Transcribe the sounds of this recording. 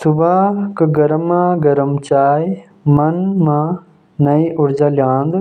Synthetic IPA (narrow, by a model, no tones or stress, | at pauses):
subakɨɡɐɾmãɡɐɾɐmt͡ɕaːj | mɐnmãː | nɐiʔuɾd͡ʑaljaːnd̪